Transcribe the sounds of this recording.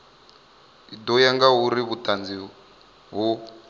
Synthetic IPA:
id̪ɔjaŋɡaɦuɾiβutʼand͡zi | ɦu

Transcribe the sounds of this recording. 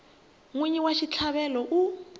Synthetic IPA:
ŋweɲiwaʃit͡ɬʰaβɛlɔʔu

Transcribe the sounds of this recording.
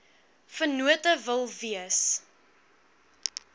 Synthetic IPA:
fənuətəvəlˠviəs

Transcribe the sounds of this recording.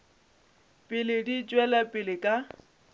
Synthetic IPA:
pʼɪlɪdit͡ʃʼwɛlapʼɪlɪkʼa

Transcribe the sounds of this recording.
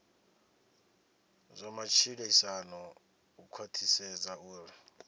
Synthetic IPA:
zɔmat͡ʃʰilɛisanɔ | ukʰwatʰisɛzauːra

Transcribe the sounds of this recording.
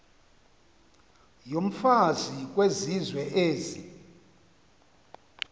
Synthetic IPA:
jom̩fazik̬ʼwezizwɛʔeːzi

